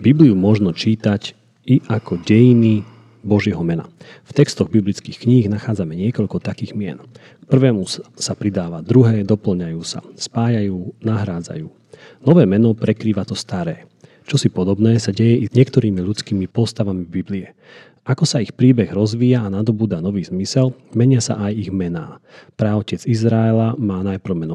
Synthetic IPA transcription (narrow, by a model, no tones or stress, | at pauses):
bibliumʊɔʒnɔt͡ʃiːt̪ac | iʔakɔɟɛjini | bɔʒɪɛɦɔmɛna̰ft̪ɛkst̪ɔɣbiblit͡skiːxkɲiːɣnaxaːd͡zamɛɲɪɛkɔʎkɔt̪akiːɣmɪɛ̰n | k̚pr̩ʋɛːmusapɾid̪aːʋad̪ɾuɦɛːd̪ɔpl̩ɲajuːsa̰spaːjajuːnaɦɾaːd͡za̰juː | nɔʋɛːmɛnɔpɾɛkɾiːʋat̪ɔst̪aɾɛː | t͡ʃɔsipɔd̪ɔbnɛːsaɟɛjɛʔiɲɪɛkt̪ɔɾiːmiʎut͡skiːmipɔst̪aʋamibibliɛ | akɔsaixpɾiːbɛɣɾɔzʋiːjaːnad̪ɔbuːd̪anɔʋiːzmisɛlmɛɲɪasa̰ʔajiɣmɛna̰ːpɾɛɔcɛd͡zizɾaɛlamaːnajpɾ̩ʊmɛnɔ